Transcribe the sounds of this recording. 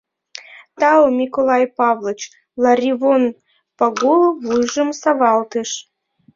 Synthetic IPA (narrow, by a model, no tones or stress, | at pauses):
t̪ɑomʲikolˠɑjpɑvlˠət͡ɕ | lˠɑɾʲivon | pɑɡolˠvujʒə̆msavɑlˠt̪ɨʃ